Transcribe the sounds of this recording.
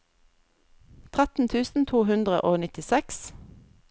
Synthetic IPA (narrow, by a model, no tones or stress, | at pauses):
t̪ʰʁæt̪n̩t̪ʰʉːsn̩t̪ʰuːhʉnd̪ʁəʔoːnɪt̪ɪsɛks